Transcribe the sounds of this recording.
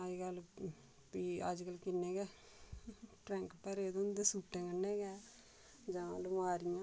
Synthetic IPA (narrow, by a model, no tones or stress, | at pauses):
ad͡ʒkəl | piːa̰d͡ʒkəlkɪnːeːɡɛː | ʈɾɛ̃ːŋkpəɾed̪õnd̪eːsuːʈẽːkənːeːɡɛː | d͡ʒãːalomaːɾɪjãː